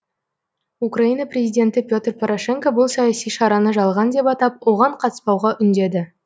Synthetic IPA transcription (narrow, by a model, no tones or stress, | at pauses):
ukraijnɑprʲe̞zijdʲe̞nt̪ɪpʲjo̞t̪rpʰoɾʔoʃe̞ŋkobʊlˠsɑjɑsijʃɑɾɑnəʒɑlˠʁɑnd̪e̞pɑt̪ɑp̚wo̞ʁɑɴqʰɑt̪ə̥spɑwʁɑʔʏnd̪e̞d̪ɪ